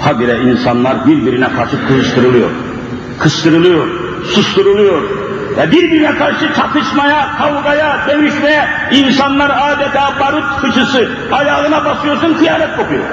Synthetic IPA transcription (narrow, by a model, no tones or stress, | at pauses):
t̪ʰabiɾɛinsanlˠaɾbiɾbiɾinɛkʰaɾʃɯkʰɯzɯʃt̪ʰɯɾɯlˠɯjo̞̰ɾ | kʰɯst̪ʰɯɾɯlˠɯjoɾ | suʃt̪ɯɾɯlˠɯjo̞ɾ | vɛbiɾbiɾinɛkʰaɾʃɯt͡ʃʰat̪ʰɯʃmajakʰawɡajad̪enyʃmɛjɛ | insanlˠaɾaːd̪ɛt̪ʰaːbaɾut̪fɯʃɯsɯ | ajaːɣɯnabasɯjo̞ɾsunk̪ʰijaːɾɛt̪̚bokujo̰ɾ